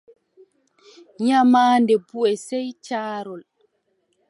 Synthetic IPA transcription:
ɲamaːndɛbuɛsɛjt͡ʃaːɾɔl

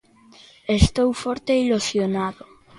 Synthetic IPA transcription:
est̪owfoɾt̪eilusjonaðʊ

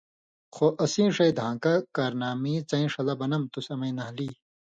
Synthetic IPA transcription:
xoʔɐsĩːʂɐjd̪ʱãːkakaɾnaːmĩːt͡sɐ̃ĩʂɐlɐbɐnɐmt̪usɐmɐinɐɦliː

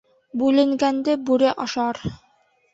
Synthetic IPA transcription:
bʉlɘ̆ŋɡænd̪ɘbʉɾɘʔɑʃɑɾ

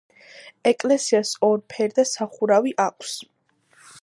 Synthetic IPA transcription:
ɛkʼlɛsiasɔɾpʰɛɾd̪asaχuɾaviʔakʷʼʰs

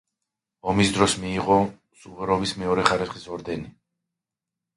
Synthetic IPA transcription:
ɔmisd̪ɾɔsmiːʁɔ | suvɛɾɔbismɛɔɾɛχaɾisχisɔɾd̪ɛni

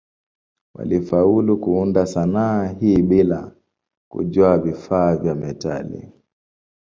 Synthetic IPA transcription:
wa̰lifaulukuundasanaɦiːɓila | kṵʄwaavifaːvjamɛta̰lḭ

